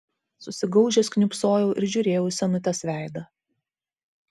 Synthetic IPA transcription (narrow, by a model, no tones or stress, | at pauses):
sʊsʲɪɡɐʊʒʲɛsknʲʊpsoːjɛʊʔɪɾʒʲʊɾʲeːjɛʊsʲɛnʊt̪ʲɛsʋʲæˑɪd̪ɐ